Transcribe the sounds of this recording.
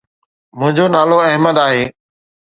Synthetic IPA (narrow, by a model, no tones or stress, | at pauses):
mʊ̃ɦɪ̃ɲd͡ʑoːnaːloɐɦməd̪aːɦeː